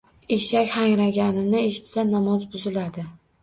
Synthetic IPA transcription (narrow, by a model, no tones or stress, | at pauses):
eʃakʲhaŋɾaɡʲanɪnɪe̞ʃɪ̥t̪sanːamɒzbʊzɪlad̪ɪ